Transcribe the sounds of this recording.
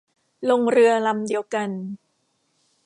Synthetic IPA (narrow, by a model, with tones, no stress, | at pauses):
lo˧ŋɾɯ˧ɐla˧mdi˧əwka˧n